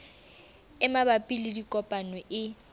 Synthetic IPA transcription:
ɪmabapʼilɪdikʼɔpʼanwɛʔɪ

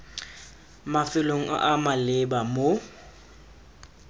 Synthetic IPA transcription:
mafɪloŋ̩ʔa̰ʔamalɪbamo

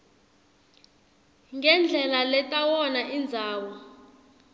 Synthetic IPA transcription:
ŋɡɛnd͡ɮʱɛlalɛtʼawɔnaʔind͡zʱaːwɔ

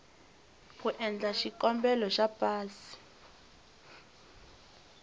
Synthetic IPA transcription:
k̬uʔɛnd͡ɮʱaʃiǃɔmbɛlɔʃapʼaːsi̥

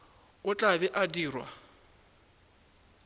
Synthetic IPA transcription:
ʊt͡ɬʼaβɛʔadiːrwa̰

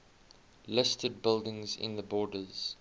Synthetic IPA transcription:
lɪstʰəd̚bɪlˠdɪ̃ŋzɪ̰̃nðəbɔːdəz̥

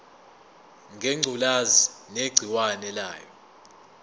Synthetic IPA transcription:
ŋʱeŋ͡ǀʱulazineɡ͡ǀʱiwanɛla̰ːjɔ

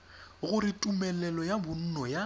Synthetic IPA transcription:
ɣʊɾɪtʼumɛlɛlɔjabʊn̩nɔja

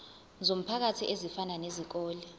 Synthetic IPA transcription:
zom̩pʰak̬atʰiʔezifananezik̬ɔːli

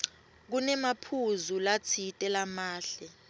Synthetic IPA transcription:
k̬unɛmapʰuzulat͡sʰitʼɛlamaːɬɛ

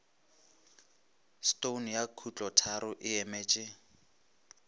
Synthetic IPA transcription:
stonjakʰut͡ɬʼɔtʰaɾʊʔɪɛmɛːt͡ʃʼɪ

